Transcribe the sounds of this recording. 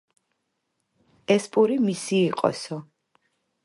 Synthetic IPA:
ɛspʼuɾimisiːqʼɔ̰sɔ

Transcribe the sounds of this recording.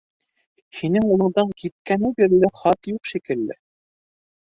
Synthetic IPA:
hinɘŋulˠɤ̆ɴd̪ɤɴkit̪̚kænɘbiɾɘlɘχɑt̪juqʃikɘ̆lːɘ̰

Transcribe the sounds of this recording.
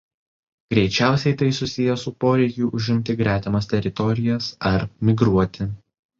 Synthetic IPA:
ɡ̥ɾʲɛɪt͡ʃʲæˑʊsʲɛɪt̪ɐɪsʊsʲɪjɛsʊpoːɾʲɛɪkʲʊʔʊʒʲɪmʲt̪ʲɪɡɾʲæːt̪ʲɛmɐst̪ʲɛɾʲɪt̪ɔɾʲɪjɛsɐɾmʲɪɡɾuɔt̪ʲɪ

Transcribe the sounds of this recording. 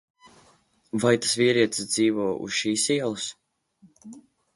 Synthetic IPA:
vajt̪ḁsviɛɾiɛt̪ssd̪ziːvɔːṵsʃiːsiɛlˠus

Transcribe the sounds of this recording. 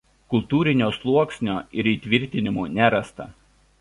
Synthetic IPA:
kʊlˠt̪uːɾʲɪnʲoːslˠuɔksʲnʲoːɪɾiːt̪ʲʋʲɪɾʲt̪ʲɪnʲɪmuːnʲæɾɐst̪ɐ̰

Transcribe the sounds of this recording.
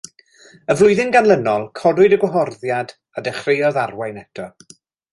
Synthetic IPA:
əvlˠʊɨðɪnɡanlˠənɔlˠkʰɔdwʊdəɡwɔɦɔrðjad | adɛχrejɔðarwajnɛtʰɔ

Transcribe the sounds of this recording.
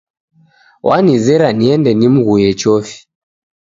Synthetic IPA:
wʔanizɛɾaniɛndɛnim̩ɣujɛt͡ʃɔfi̥

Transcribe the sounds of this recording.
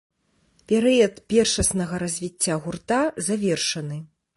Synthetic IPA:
pʲɛɾɨjɐt̪pʲɛrʂɐsnɐɣɐɾɐzʲvʲit͡sʲːaɣurt̪azavʲɛrʂɐnɨ

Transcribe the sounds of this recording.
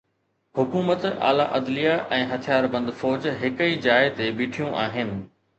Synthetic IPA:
hʊkuːmət̪a̰ːlaʔɐd̪lijaʔɛ̃ːɦɐt̪ʰijaːɾbɐ̃nd̪fɔːd͡ʑɦɪkəid͡ʑaːɪt̪ebiːʈʰijũʔaːɦɪnɪ̆

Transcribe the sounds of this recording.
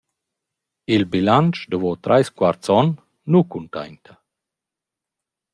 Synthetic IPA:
ilbilant͡ʃd̪əvɔt̪ɾʔa̰jskwaɾt̪t͡sɔnː | ukunta̰jnt̪ʰa

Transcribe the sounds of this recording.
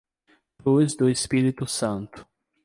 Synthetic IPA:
luzd̪ʊespiɾit̪ʊsɐ̃nt̪ʊ̥

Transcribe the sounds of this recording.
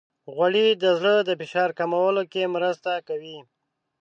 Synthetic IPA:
ɣwaɽid̪əzləd̪əfɪʃɑɾkamawəlokemɾəst̪akawi

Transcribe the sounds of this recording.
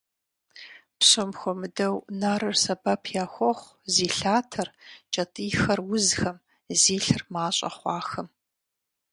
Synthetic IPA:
pɕɐmxʷɔmɨdɐwnaːɾɨrsɐbɐpʰjaːxʷɔχʷ | ziːɬaːtʰɐrt͡ʃʼɐtʼiːxɐrwʊzxɐm | ziːɬɨrmaːɕʼɐ̰χʷɑːxɐm

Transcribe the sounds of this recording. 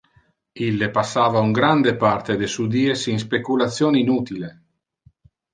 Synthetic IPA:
ilːepasːaːvauŋɡɾand̪epart̪ed̪esud̪iːesiŋs̬pekulat̪sːjoːninut̪ile

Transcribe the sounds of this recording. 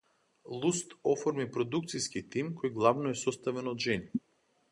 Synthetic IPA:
lˠust̪ɔfɔɾmipɾɔd̪uk̚t̪siskit̪imkɔjɡlˠavnɔɛsɔst̪avɛnɔd̪ʒɛni

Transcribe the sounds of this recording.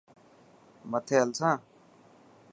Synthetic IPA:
mət̪ʰeːəlsãː

